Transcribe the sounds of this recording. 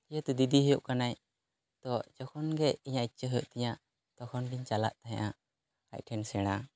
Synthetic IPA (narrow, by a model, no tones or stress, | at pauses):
jət̪ud̪id̪iɦɔjɔʔkanaj | t̪ɔd͡ʒɔkʰɔnɡɛiɲait̚t͡ʃəɦɔjoʔt̪ɛɲa | t̪ɔkʰɔnɡiɲt͡ʃala̰ʔt̪aɦɲ̰̃ʔa | a̰cʈʰɛnsɛɽ̃a